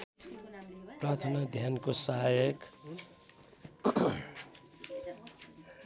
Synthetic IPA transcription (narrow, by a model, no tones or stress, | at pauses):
prat̪ʰʌnad̪ʱjankosaɦajʌk